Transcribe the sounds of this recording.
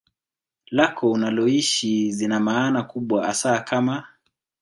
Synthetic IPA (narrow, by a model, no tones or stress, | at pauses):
lakʰɔunalɔiʃizinamaːnakuɓwaasaːkama